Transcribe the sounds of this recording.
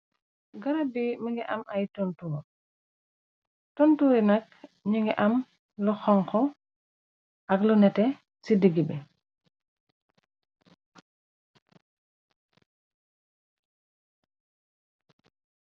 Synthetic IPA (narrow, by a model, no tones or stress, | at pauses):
ɡɐɾɐbiməŋɡɛʔɐ̰mʔɐjtɔntuːɾ | tɔntuːɾinɐk̚ | ɲuŋɡɛʔɐm | luxɔŋkɔ | ʔɐklunɛtɛ | sidiɡibɛ